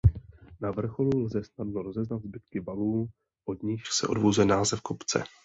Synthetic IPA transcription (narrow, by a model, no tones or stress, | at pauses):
navr̩xo̞lulzɛsnadnoɾo̞zɛznad̪zbɪt̪kɪvaluː | ʔo̞d̪ɲɪʃsɛ̰ʔo̞̰dvozɛnaːzɛfkopt͡sɛ̰